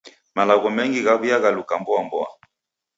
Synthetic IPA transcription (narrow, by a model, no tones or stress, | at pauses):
malaɣɔmɛŋɡiɣaβiaɣalukambɔambɔa̰